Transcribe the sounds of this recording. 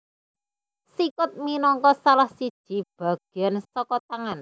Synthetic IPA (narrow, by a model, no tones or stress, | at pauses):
sikʊt̪̚minɔŋkɔsalahsid̥ʒ̥i̤b̥a̤ɡ̥ɛnsɔkɔt̪aŋan